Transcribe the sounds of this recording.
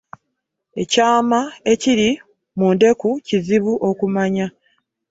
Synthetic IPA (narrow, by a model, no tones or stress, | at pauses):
e̞caːmae̞ciɾi | munde̞kuciziβuʔo̞kumaɲa